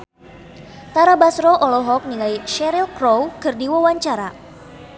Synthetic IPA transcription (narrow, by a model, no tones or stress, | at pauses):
t̪aɾabasɾɔʔɔlɔɦɔk̚niŋajʃɛɾilkrowkɨrdiwawaɲt͡ʃaɾa